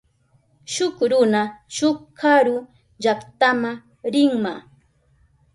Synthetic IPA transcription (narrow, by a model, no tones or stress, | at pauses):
ʃʊkɾʊnaʃʊkkaɾʊ | ʎakt̪ama | ɾɪŋma